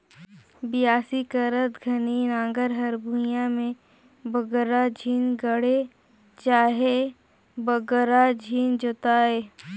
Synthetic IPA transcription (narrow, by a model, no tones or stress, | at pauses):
bɪjaːsikəɾət̪ɡʱɐninãːŋɡəɾɦɐɾbʱũjãmẽ | bəɡəɾad͡ʒʱiːnɡəɽe | t͡ʃaːɦe | bəɡəɾad͡ʒʱiːnd͡ʒʊt̪aːeː